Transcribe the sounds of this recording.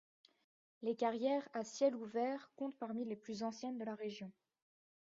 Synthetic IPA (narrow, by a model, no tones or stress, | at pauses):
lekaʁjɛʁasjɛluvɛʁkɔ̃t̪paʁmileplyzɑ̃sjɛnd̪əlaʁeʒjɔ̃